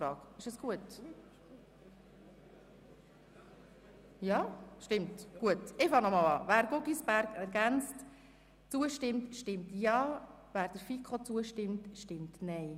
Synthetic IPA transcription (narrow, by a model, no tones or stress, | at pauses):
ɾɑːɡɪʃəsɡ̥uət | jɑːʃtɪmtɡ̥uətɪfɑŋnɔmɑlɑ̰ːvæːɾɡʊɡisb̥æɾɡɛɾɡænt͡st | t͡suəʃtɪmtʃtɪmtjɑː | væːɾd̥əɾfikʰot͡suəʃtɪmtʃtɪmtnɛɪ